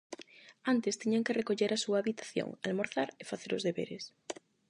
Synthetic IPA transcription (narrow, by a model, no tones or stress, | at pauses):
ant̪ɪst̪iɲaŋkɪrekoʎeɾasuaːβit̪ḁθjo̰ŋalmoɾθaɾefaθeɾʊzðeβḛɾes